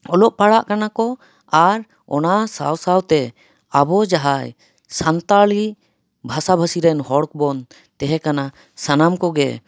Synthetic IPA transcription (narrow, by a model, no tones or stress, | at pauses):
ɔlɔʔpaɽaʔkanakɔ | aɾ | ɔ̰nasa̰wsawt̪ɛ | abɔd͡ʒaɦaj | sant̪aɭiʔ | bʱasabʱasiɾɛnhɔɽk̚bɔn | t̪ɛɦɛkana | sanamkɔɡɛ̰